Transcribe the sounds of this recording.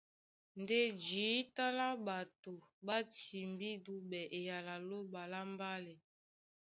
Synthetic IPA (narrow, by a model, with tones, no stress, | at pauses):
n˨de˦d͡ʒiː˨˦ta˦la˦ba˨to˨ba˦ti˨mbi˦du˦bɛ˨ʔe˨ja˨la˨lo˦ba˨la˦m˦ba˦lɛ˨